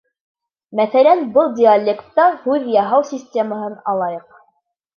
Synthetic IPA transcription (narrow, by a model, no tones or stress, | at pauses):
mæθælænbɤlˠdʲɪalʲːekt̪ːɑhʉðjɑɦɑwsʲisʲtʲeməɦɤnɑlˠɑjɤq